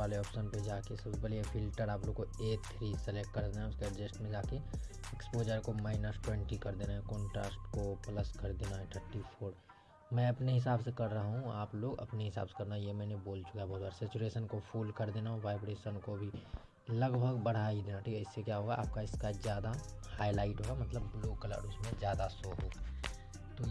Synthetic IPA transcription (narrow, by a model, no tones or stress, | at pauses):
aːleɔːpʃənped͡ʒaːkesɐbsbɐliefʰɪlʈəɾaːploːɡ̚koeːt̪ʰɾiːselek̚ʈ̚kɐɾd̪eːnaɦɛʊsked͡ʒesʈmẽd͡ʒaːke | ekspoːd͡ʒəɾkomaːɪnəsʈwẽɳʈikɐɾd̪eːnaɦɛ̃kɔ̃ːɳʈɾa̰ːsʈkopləskɐɾd̪eːnaɦɛʈ̪ʰəɾʈipʰoːɾ | mɛ̃ɐpneɦɪs̬aːbsekɐɾːəɦaɦũaːploːɡɐ̰pneɦɪsa̰ːbse̥kɐɾnajemɛ̃ːneboːlt͡ʃʊ̥kaɦɛbɔːt̪baːɾsɛːt͡ʃuɾeːʃənkopʰuːlkɐɾd̪eːnaɦʋaːɪbɾeːʃənkobʱi | lɐɡbʱəɡbɐɽ̤aːid̪eːnaʈʰiːkɛɪsːekjaɦoːɡaʔa̰ːp̚kaɪskazjaːd̪ahaːɪlaːɪʈɦoːɡamɐt̪ləbloːkələ̰ɖʊsmẽzjaːd̪asoːɦoːɡaː | t̪o